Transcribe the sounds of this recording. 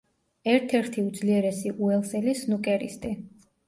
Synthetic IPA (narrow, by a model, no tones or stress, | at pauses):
ɛɾt̪ʰɛɾt̪ʰiud̪zliɛɾɛsiʔuɛlˠsɛlisnukʼɛɾḭst̪ʼi